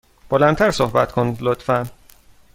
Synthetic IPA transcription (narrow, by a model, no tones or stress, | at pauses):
b̥olænt̪ʰæɾsohbæt̪kʰond̪lot̪fæn